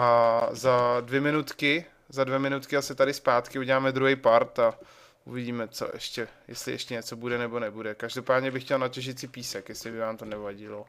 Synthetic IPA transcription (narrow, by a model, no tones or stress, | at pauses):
azadvjɛmɪnut̪kɪ | zadvjɛmɪnut̪kɪasɪt̪adɪspaːt̪kɪuɟɛlaːmɛd̪ɾuɦɛjpaɾt̪a | ʔuvɪɟiːmɛt͡so̰ʔɛ̰ʃcɛjɛ̰st̪lɪ̰ʔɛʃcɛɲɛt͡so̞budɛnɛbonɛbudɛkaʒdo̞paːdɲɛbɪxcɛlnacɛʒɪt̪sɪpiːsɛkjɛslɪbɪvaːmt̪onɛvaɟɪlo